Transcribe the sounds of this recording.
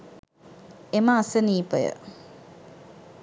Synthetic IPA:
eməasəniːpəjə̰

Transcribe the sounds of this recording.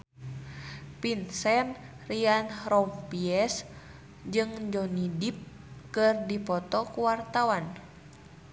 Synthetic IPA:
pinsɛn | rianrɔmpiɛs | d͡ʒɨŋd͡ʒɔnidip̚ | kɨrdipɔt̪ɔkuwart̪awan

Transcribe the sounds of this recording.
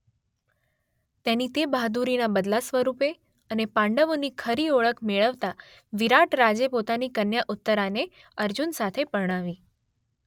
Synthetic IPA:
t̪enit̪ebʱad̪uɾinabəd̪lasʋəɾupe | ənepãɳɖəʋonikʰəɾioɭəkʰmeɭəʋt̪a | ʋiɾaʈɾad͡ʒepot̪anikənjaʔut̪ːəɾane | əɾd͡ʒunsat̪ʰepəɾɽ̃aʋi

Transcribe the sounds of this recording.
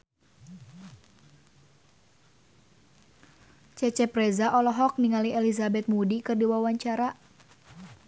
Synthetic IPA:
t͡ʃɛt͡ʃɛpɾɛzaʔɔlɔɦɔk̚niŋaliɛlizabɛt̪̚mudikɨrdiwawaɲt͡ʃaɾa

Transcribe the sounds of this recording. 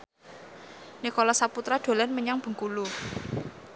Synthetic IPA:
nikolɔsaput̪ɾad̪̥o̤lɛnməɲaŋb̥ə̤ŋkulu

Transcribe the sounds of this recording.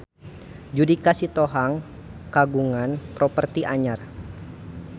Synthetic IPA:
d͡ʒudikasit̪oɦaŋ | kaɡuŋanpɾɔpərt̪iʔaɲar

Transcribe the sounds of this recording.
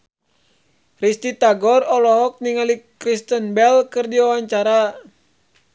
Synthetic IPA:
rist̪it̪aɡɔrɔlɔɦɔk̚niŋalikɾist̪ənbɛlkɨrdiwawaɲt͡ʃaɾa

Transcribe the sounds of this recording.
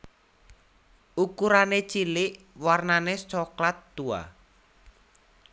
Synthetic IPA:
ʔukuɾanet͡ʃilɪʔ | warnanest͡ʃɔklat̪ːua̰

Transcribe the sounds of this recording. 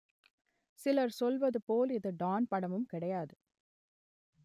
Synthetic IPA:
sɪlɐɾsɔlʋɐðɯpoːlɪðɯɖaːnpɐɽɐmɯmkɪɽɐjaːðɯ

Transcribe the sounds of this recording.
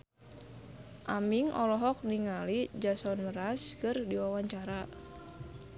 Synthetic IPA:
ʔamiŋʔɔ̰lɔɦɔk̚niŋalid͡ʒasɔnməɾaskɨrdiwawaɲt͡ʃaɾa

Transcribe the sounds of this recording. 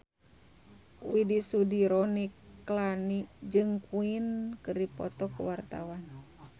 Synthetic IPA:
widisudiɾɔniklanid͡ʒɨŋkuinkɨripɔ̰t̪ɔkuwart̪a̰wan

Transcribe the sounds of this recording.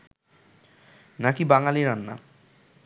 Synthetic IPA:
nakibaŋaliɾanːa̰

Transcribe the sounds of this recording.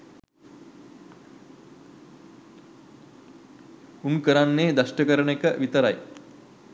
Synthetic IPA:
unkəɾanːeːd̪ɐʂʈəkəɾəɳekəʋit̪əɾaj

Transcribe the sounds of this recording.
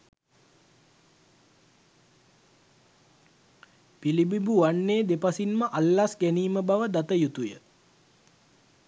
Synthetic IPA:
pilibibuʋanːeːd̪epasinməʔalːasɡæniːməbaʋəd̪at̪əjut̪ujə

